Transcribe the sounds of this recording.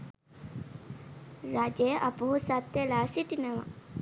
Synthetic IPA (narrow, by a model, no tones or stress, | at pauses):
ɾad͡ʒejʔapuɦusat̪jelaːsiʈinəʋa̰